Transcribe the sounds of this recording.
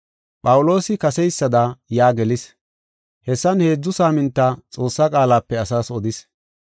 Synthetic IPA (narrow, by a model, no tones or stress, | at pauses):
pʼɐwʊlo̞ːsɪkɐsɛjsːɐd̪ɐjaːɡɛlɪs | hɛsːɐnhe̞ːd͡zːʊsaːmɪnt̪ːat͡sʼo̞ːsːakʼaːlaːpːɛɐsaːsɔd̪ɪs